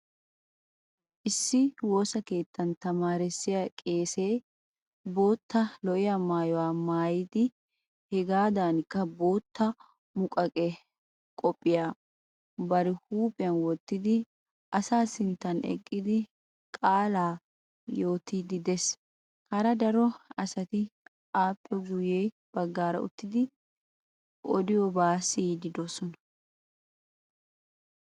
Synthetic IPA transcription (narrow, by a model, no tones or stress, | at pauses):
ʔɪsːɪwo̞ːsɐke̞ːt̪ːɐnt̪ɐmaːɾɪsːɪjakʼe̞ːse̞ː | bo̞ːt̪ːɐlɔʔɪjamaːjɔwaːmaːjɪd̪ɪ | hɛɡaːd̪aːnkːɐbo̞ːt̪ːɐ | mʊkʼɐkʼɛ | kʼɔpʼːɪjaː | bɐɾɪhuːpʼɪjɐnwɔt̪ːɪd̪ɪ | ɐsaːsɪnt̪ːɐnɛ̰kʼːɪd̪ɪ | kʼaːlaː | jo̞ːt̪id̪ɪd̪ɛs | kɐɾɐd̪ɐɾɔɐsɐt̪ɪ | aːpʼːɛɡʊjeː | b̥ɐɡːaːɾɐ̰ʊ̰t̪ːɪd̪ɪ | ʔɔ̰d̪ɪjɔbaːsiːd̪ɪd̪ɔsɔnɐ̥